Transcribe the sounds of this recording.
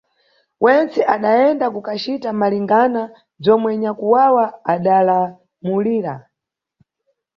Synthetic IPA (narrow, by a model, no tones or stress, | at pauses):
wʔɛnt͡sɛʔaɗaɛndakukat͡ʃitamaliŋɡana | b͡ʐɔmwɛɲakuwawaaɗala | muliːɾa̰